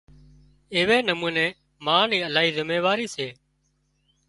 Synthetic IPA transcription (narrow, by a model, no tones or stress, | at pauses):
eːʋeːnəmuːneː | mãːniːəlaːɦiːzɪmeːʋaːɾiːseː